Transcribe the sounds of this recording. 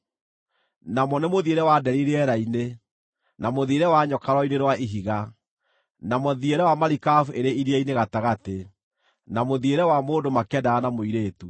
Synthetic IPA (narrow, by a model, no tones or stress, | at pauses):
namɔnemoðieɾɛwadɛɾiɾeɛɾaine | namoðieɾɛwaɲɔkaɾwɔineɾwaʔiɦiɣa | namoðieɾɛwamaɾikafueɾeʔiɾiaineɣataɣate | namoðieɾɛwamoːndomakɛdaːnamoiɾeːtu